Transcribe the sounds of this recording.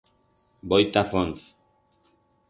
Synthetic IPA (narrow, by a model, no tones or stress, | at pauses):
bojt̪afonθ